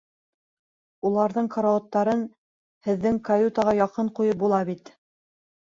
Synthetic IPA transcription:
ulˠɑɾðɤɴkʰŏɾaŏt̪ːɑɾɤn | hɘ̆ðːɘŋkɐjut̪ɑʁɑjɑqɤɴqujɤp̚bulˠɑβit̪

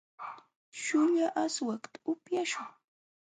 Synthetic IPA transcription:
ʃʊʎaʔaswakt̪ḁʊpjaʃʊŋ

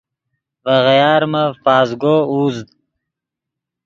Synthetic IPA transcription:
vɐʁjɑːɾməfɑːzɡouːzd̪

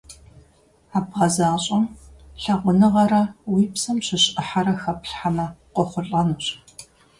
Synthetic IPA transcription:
aːbʁɐzaːɕʼɐmɬɐʁʷʊnɨʁɐɾɐwiːpsɐmɕɪɕʔɨħaɾɐxɐpɬħamɐqʷɔχʷʊɬʼɐnuːɕʼ

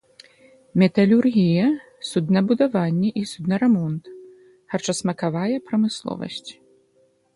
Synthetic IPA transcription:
mʲɛt̪ɐlʲurɣʲijɐ | sud̪nɐbud̪avanʲːɛʔisud̪nɐɾɛmɔnt̪ | hɐrt͡ʂɐsmɐkavajɛpɾɐmɨslˠɔ̰vɐ̰sʲt͡sʲ

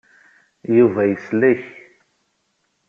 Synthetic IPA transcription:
juvæjəslæç

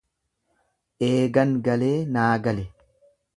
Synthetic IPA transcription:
ʔeːɡɐŋɡɐle̞ːnaːɡɐlɛ

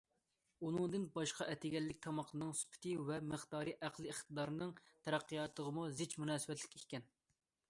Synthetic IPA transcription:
unɨŋd̪ɨnbɑʃqʰɑʔɛt̪ʰɪɡʲɛlːɪk̚ʲt̪ʰɑmɑqlˠɨnɨŋsy̥pʰɪ̥t̪ʰɨvɛmɨχt̪ɑːɾɨʔæqlˠɨɪχt̪ʰɨd̪ɑɾɨnɨŋt̪ʰɛɾæqːijɑt̪ʰəʁəmuzɪt͡ʃmunɑːsɨbɛt̪lɪ̥kʲikʲːɛn

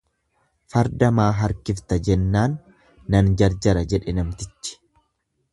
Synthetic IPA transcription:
fɐɾd̪ɐmaːɦɐɾkɪft̪ɐd͡ʒɛnːaːnː | ɐnd͡ʒɐɾd͡ʒɐɾɐd͡ʒɛᶑɛnɐmt̪ɪt͡ʃːɪ̥

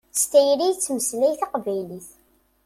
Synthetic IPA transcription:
st̪æjɾijt͡sːməslæjθɑqvæjliθ

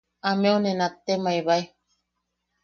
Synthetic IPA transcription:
ameonẽnat̪ːemaiβai

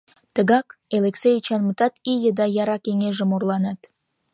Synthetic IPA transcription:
t̪əɣɑkeleksejt͡ɕɑnmət̪ɑt̪ijəd̪ɑjɑɾɑkeŋeʒə̆morlˠɑnɑt̪

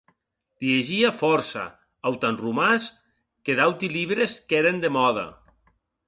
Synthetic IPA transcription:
d̪̥ieʒiafɔɾsa̰ | awt̪anrumas | keðawt̪iliβɾeskeɾend̪emɔðɐ̰

